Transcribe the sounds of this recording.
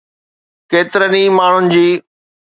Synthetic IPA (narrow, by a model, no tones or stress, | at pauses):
keːt̪ɪɾəniːmaːɳ̤ʊnɪ̆d͡ʑiː